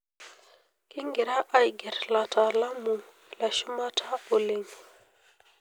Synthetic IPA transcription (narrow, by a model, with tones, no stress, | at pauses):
ki˦ŋɡi˨ɾa˦ʔa˨jɡɛ˨ɾla˨ta˨la˦mu˨ŋ | la˨ʃu˦ma˦tʰa˦o˨li˨ŋ